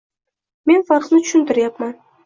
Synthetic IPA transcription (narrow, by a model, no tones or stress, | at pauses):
me̞nfaɾqnɪt̪ʰʊ̥ʃɪnt̪ɪɾjapman